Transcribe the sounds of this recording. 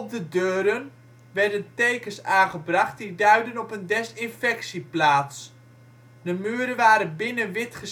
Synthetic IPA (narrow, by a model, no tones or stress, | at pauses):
ɔp̚dədøːɾən | ʋɛɹdəntejkəsaːχəbrɑχt̚didœɥdənɔpəndɛstɪnfɛksiplaːts | dəmyəɾəʋaːɾənbɪnənʋɪtχəs